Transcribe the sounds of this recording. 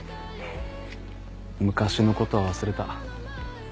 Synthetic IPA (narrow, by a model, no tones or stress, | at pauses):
mɯ̟kaɕino̞ko̞t̪o̞βaβ̞asɨɾe̞t̪a